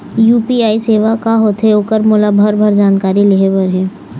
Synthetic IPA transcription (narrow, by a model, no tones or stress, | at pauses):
juːpiaːiseːʋakaɦoːt̪ʰeoːkəɾmʊlabʱəɾbʱəɾd͡ʒaːnkaːɾileɦebəɾɦɛ̃ː